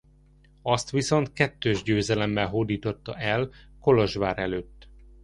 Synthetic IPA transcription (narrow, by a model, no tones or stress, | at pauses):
ɒst̪ʋiso̞nt̪̚kɛt̪ːøːʒɟøːzɛlɛmːɛlɦoːd̪iːt̪o̞t̪ːɒʔɛlko̞loʒʋaːɾɛløːt̪ː